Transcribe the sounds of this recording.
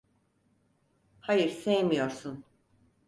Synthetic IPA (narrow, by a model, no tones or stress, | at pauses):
hajɯɾsejmijo̞ɾsun